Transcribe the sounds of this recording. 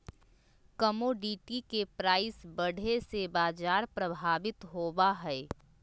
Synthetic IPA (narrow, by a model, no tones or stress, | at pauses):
kɐmoɖiːʈikepɾaːɪsbɐɽ̤esebaːd͡ʒaːɾpɾɐbʱaːʋɪt̪ɦoːbaɦɛː